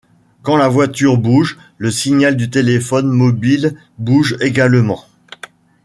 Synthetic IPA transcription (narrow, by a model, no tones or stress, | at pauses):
kɑ̃lavwat̪yʁbuʒ | ləsiɲald̪yt̪elefɔnmɔbil | buʒeɡalmɑ̰̃